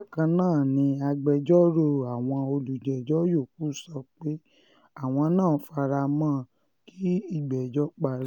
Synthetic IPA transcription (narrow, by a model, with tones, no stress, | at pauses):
kã˧nãː˦˨nĩ˧a˧ɡ͡bɛ˧d͡ʒɔ˦ɾo˧˨a˨w̃ɔ̃˧o˧lu˨d͡ʒɛ˨d͡ʒɔ˦jo˦˨k̚u˦sɔ˧k͡pe˦ | a˦˨w̃ɔ̃˧nãː˦˨˦fa˧ɾa˧mãː˦˨ | ki˦i˦˨ɡ͡bɛ˨d͡ʒɔ˦k͡pa˨ɾ